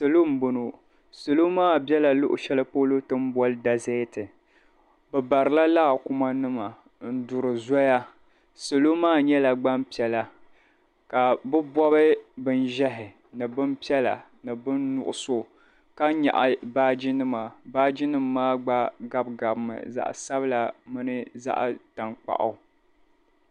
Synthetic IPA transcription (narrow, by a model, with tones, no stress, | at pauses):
so˨lo˦m̩˦bo˨no˨ | so˨lo˦maː˦bjɛ˦la˨lʊ˦ʔʊ̰˨ʃɛ˦lɨ˦po˦lo˦tɨ˦m˦bɔ˦lɨ˦da˨ze˦tɨ˨ | bɛ˨ba˨ɾɨ˨la˦laː˦˨kʊ˦ma˦nɨ˦ma˨ | n̩˦dʊ˨ɾɨ˨zɔ˦ja˦ | so˨lo˦maː˦˨ɲɛ˦la˨ɡ͡ba˦mpi˨ɛ˨la˨ | ka˨bɨ˦bɔ˦bɨ˦bɨ˦nʒɛ˦ɦɪ˨ | nɨ˨bɨ˦mpi˦ɛ˦la̰˨ | nɨ˨bɨ˦nːʊ̰˨ʔʊ˨so˨ | ka˦ɲa̰˨ʔa˨baː˦d͡ʒi˦nɨ˦ma˨baː˦d͡ʒɪ˦nɨ˦mː˦aː˦ɡ͡ba˦ɡa˦bɡa˨bmɨ̰˨za̰˨ʔsa˦bɨ˦la˨mɨ˦nɨ˦za̰˦ʔta˨ŋk͡pa̰˨ʔa̰˨˦˨